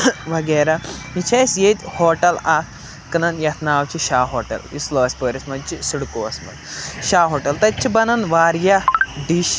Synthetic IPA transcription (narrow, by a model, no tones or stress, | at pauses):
ʋɐɡɐːɾait͡ʃʰɐsjed̪ʲhoːʈɐla | kɨnɐnjɐt̪ʰnaːwt͡ʃʰiʃaːɦoːʈɐ̰lḭsloːɐsʲpəːɾɐsmɐt͡ʃisuɽkoːɐsmɐ̰d̪ʃaːɦoːʈɐlt̪ɐt͡ʃʰibɐnɐnʋaːɾjaɖiʃ